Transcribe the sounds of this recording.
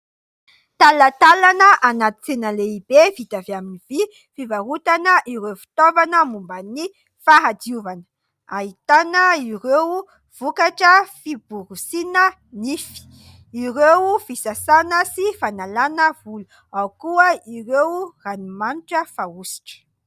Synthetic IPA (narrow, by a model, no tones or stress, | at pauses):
t̪alət̪alanəʔanat̪i̥t͡senəleibevit̪aviaminiv̥i | fivaɦut̪anəʔiɾewfi̥t̪ovanəmumbani | faɦad̪iuvanə̥ | aɦit̪anəirew | v̥ukaʈ͡ʂəfibuɾusinə | nifi̥ | iɾewfisasanəsifanalanəv̥ulu | awkuəiɾewranimanʈ͡ʂəfausi̥ʈ͡ʂə̥